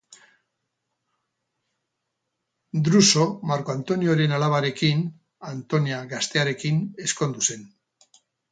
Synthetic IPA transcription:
d̪ɾuso̞maɾko̞ant̪o̞nioɾe̞nalaβ̞aɾe̞kin | ant̪o̞niaɣast̪e̞aɾe̞kine̞sko̞nd̪use̞n

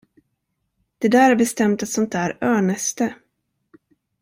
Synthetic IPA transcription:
d̪̥ɛd̪æːɾaɾbɛst̪ɛmt̪at̪sɔnt̪ʰæːɾœːɳəst̪ə

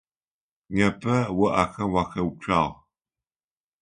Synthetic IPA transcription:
ɲɐpʰɐwɐʔaxɐwaxɐw̚ʈ͡ʂʰaːʁ

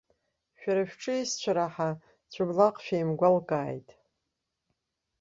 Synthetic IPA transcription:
ʃᶣaɾaʃᶣʈ͡ʂʰʼɨist͡ɕʷʰaɾaħa | t͡ɕʷʰʊblaqʼʃᶣajmɡʷalkʼaːjtʼ

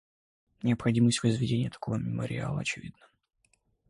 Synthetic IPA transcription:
nʲɪəpxɐdʲiməsʲtʲvəzvʲɪdʲenʲɪjət̪ɐ̥ko̞vəmʲɪmə̰ɾʲɪ̰a̰lˠə̰ɐt͡ɕɪvʲḭd̪nə̥

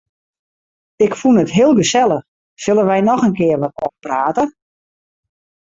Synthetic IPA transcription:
ɪkfunətɦɪəlˠɡəsɛlˠəx | sɵlˠənʋɛjnɔxənkɪərʋatɔfpraːtə

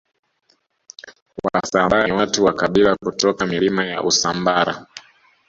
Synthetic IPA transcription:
wwasaaɾwatuwakaɓilakutɔkamilimaja̰ʔusambaɾa̰

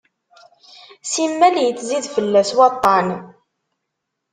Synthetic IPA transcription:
simːæljət͡sːziðfəlːæswɑt̪ˤːɑn

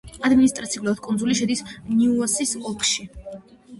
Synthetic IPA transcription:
ad̪minist̪ʼɾat̪siuluad̪̥̚kʼunzuliʃɛd̪isniuɔsisɔkʰʼʃi

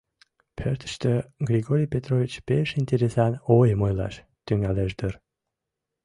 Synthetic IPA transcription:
pʰøɾt̪ə̥ʃt̪øɡrʲiɡoɾʲijpʲet̪rovʲit͡ɕpeʃinʲt̪ʲeɾesɑnojəmojlɑ̰ʃ | t̪yŋæleʃd̪ər

